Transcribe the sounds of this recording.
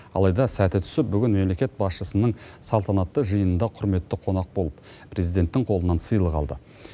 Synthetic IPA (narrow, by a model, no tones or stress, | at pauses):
ɑ̰lˠɑjd̪ɑsæt̪ɪt̪ʰʏ̥sɪp̚bʏɡʲɪnme̞mle̞kʲe̞t̪̚bɑsʃəsənəɴsɑlˠt̪ɑnɑt̪ːəʒəjənənd̪ɑqʰʊɾme̞t̪ːɪqʰo̞nɑq̚bo̞lˠəp | pʰɾe̞zijd̪e̞nt̪ːɪŋqʰo̞lˠənɑnsəjəlˠəqɑ̰lˠd̪ə